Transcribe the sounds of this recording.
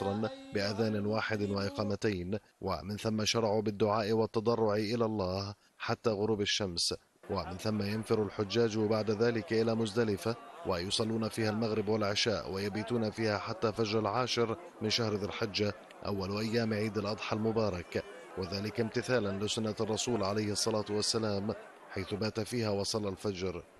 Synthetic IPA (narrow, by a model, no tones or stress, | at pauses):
ɾˤɑnbɪʔaðaːnɪnwaːħɪd̪waʔɪqɑːmat̪ajn | wa̰mɪnθamːaʃɑɾˤɑʕubɪd̪ːʊʕaːʔɪwɑt̪ːɑd̪ˤɑrˤːʊʕʔɪlalˤːɑːh | ħat̪ːaːɣʊɾuːbaʃːams | wamɪnθamːajanfɪɾalħʊd͡ʒːaːd͡ʒbaʕd̪aðaːlɪkʔɪlaːmʊzd̪alɪfawʔajʊsˤɑlːuːnafiːhalmaɣɾɪbwalʕɪʃaːʔwʔajabiːt̪uːnafiːhaħat̪ːafad͡ʒɾalʕaːʃɪɾ | mɪnʃahɾðalħɪd͡ʒːa | ʔa̰wːalʔajːaːmʕiːd̪alʔɑd̪ˤħɑlmʊbɑːɾˤɑk | wɪðaːlɪkamt̪ɪθaːlanlɪsʊnːarˤːɑsuːlʕalajhɑsˤːɑlaːt̪wasːalaːm | ħajθʊbaːt̪afiːhawɑsˤɑlːalfad͡ʒɾ